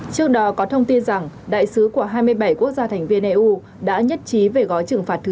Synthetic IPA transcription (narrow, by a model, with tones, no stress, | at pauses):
t͡ɕɨ˦˥ək̚ɗɔ˨˦kɔ˨˦t̪ʰə˧wŋ͡mt̪i˧nza˨˩ŋɗa̰ː˧˨jsɨ˨˦ku˧˩əɦaː˧jmɨ˧əjɓa˧˩jku˦˥ək̚zaː˧t̪ʰa˨˩ŋ̟vi˧ənʔɛː˧ʔu˧ | ɗa̰ː˧˥ɲə˦˥t̚t͡ɕi˨˦ve˨˩ɣɔ˨˦jt͡ɕɨ˨˧˩əŋfaː˨˩t̚t̪ʰː